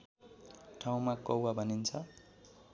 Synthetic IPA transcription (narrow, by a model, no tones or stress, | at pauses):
ʈʰaw̃makʌwabʱʌnint͡sʰʌ